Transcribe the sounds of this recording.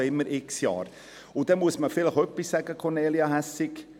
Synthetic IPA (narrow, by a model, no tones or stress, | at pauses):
ɪmːəɾʔɪksjɑ̰ːɾ | ʊd̥̪ɛnmuəsməfɪləχœpːɪsːæɡəkʰɔneːliɑɦæsɪk